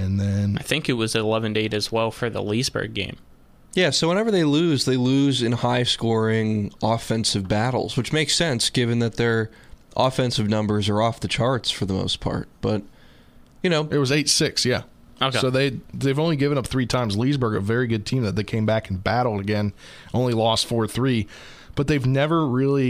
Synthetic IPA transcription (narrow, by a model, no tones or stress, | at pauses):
ɨ̃nðɨ̃naɪθɪ̃ŋkɨt̚wʌzɨlɛvɨ̃ndeɪɾɨzwɛlˠfə˞ðə̰lizbɜ̰˞ɡ̚ɡḛ̃ɪ̃m | jæsoʊwə̃nɛvə˞ðeɪluzðeɪlʉzɨ̃nhaɪskɔɹɪ̃ŋɔfɛ̃nsɨvbæɾl̩ˠz̥wɨt͡ʃmeɪksɛ̃nsɡ̥ɪvɨ̃nðɨt̪̚ðə˞ | ʔɑfɛ̃nsɨvnʌ̃mbə˞zə˞ɔfðɨt͡ʃʰɑɹtsfə˞ðəmo̰ʊspʰɑ̰ɹt̚b̥ʌt̚ | jɨnoʊɨt̚wʌzeɪtsɪksjæ̰ | oʊkoʊðeɪðeɪvõʊ̃nliɡɪvɨ̃ñʌp̚θɹitʰãɪ̃mzlizbɜ˞ɡɨ̰vɛɹiɡʊd̚tʰĩmðɨt̪̚ðeɪkʰẽɪ̃mbækn̩bæɾl̩ˠdɨɡɛ̃n | ʔõʊ̃nlilɔstfɔɹθɹi | b̥ʌt̪̚ðeɪvnɛvə˞ɹɪlˠi